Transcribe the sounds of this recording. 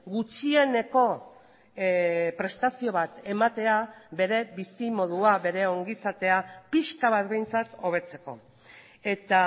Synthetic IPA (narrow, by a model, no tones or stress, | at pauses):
ɡut͡ʃie̞ne̞ko̞ | pɾe̞st̪asio̞β̞at̪e̞mat̪e̞aβe̞ɾe̞βisimo̞ð̞uaβe̞ɾe̞o̞ŋɡisat̪e̞apiʃkaβ̞at̪be̞jnt͡sat̪o̞β̞e̞t͡se̞ko̞̰ | e̞t̪a